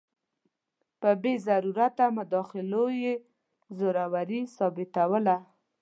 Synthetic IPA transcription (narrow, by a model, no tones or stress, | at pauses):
pəbezaɾuɾat̪amʊd̪ɑxɪloje | zoɾawaɾisɑbɪt̪awəla